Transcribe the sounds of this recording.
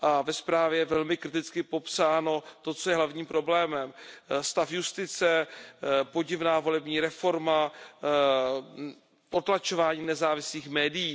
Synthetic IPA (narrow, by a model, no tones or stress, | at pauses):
ʔavɛspɾaːvjɛjɛvɛlmɪkɾɪt̪ɪt͡skɪpo̞psaːno̞t̪o̞t͡sojɛɦlavɲiːmpɾo̞blɛːmɛmst̪afjust̪ɪt͡sɛ | po̞ɟɪvnaːvo̞lɛbɲiːɾɛfo̞ɾma | po̞t̪lat͡ʃo̞vaːɲiːnɛzaːvɪsliːxmɛːdɪjiː